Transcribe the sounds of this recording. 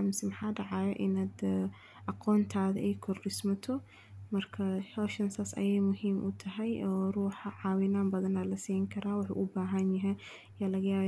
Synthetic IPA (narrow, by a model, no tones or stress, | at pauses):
mɪsɛmɐħaːɖɑʕɑːjɔ̰ʔɪnaːd̪ | ʔɑqɔːnt̪ʰaːðɐʔɛjkʰɔrɖɪsmɐt̪ʰɔ | mɐrkʰɐhɔːʃɐnsɐsɐ̰jɛjmʊɦiːmʔʊ̰t̪ʰɐɦɛjɔːruːħɑʕɑːwɪnaːmbɐðɐnaːlɐsiːjɪŋkʰɐɾaːwɑħṵːʔʊbaːɦɐnjɐɦɛj | jaːlɐɣɐjaːβ